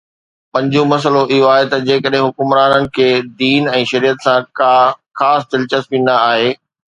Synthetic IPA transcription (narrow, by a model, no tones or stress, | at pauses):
pɐ̃ɲd͡ʑõmɐs̬əloʔɪɦoaːɦet̪ɐd͡ʑeːkəɗɦɪ̃ɦʊkʊmɾaːnənɪ̆kʰeːd̪iːnɛ̃ːʃɐɾiːət̪sã | xaːst̪ɪlt͡ɕəspĩːnd̪aːɦeː